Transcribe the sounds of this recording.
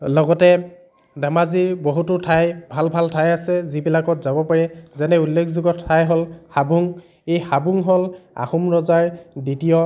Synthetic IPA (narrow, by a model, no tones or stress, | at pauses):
lɔɡɔtɛ | damaziɹboɦutʊtʰajbʱalbʱaltʰajasɛzibilakɔtzabɔpaɹɛzɛnɛulːekʰzuɡɔtʰːajɦɔlhabuŋ | ejxabuŋɦɔla̰xumɹɔzaɹditijɔ